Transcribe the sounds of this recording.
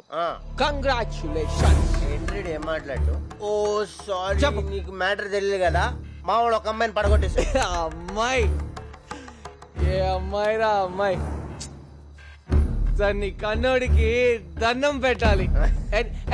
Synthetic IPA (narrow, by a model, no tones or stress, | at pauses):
aːkɐŋɡɾaːt͡ʃuleːʃɐnsenɾeɽeːmːaːʈlaɽʈuosaːɾit͡ʃɐpːniːkumaːʈɐɾd͡ʒ̪elilɡɐlaːmaːʋaɭɔkːɐmbajnpɐɽɐkoʈːesɐmːaj | eɐmːajɾamaj | t̪ɐnːikɐnːoːɽikid̪ɐnːɐmpɛʈːaːli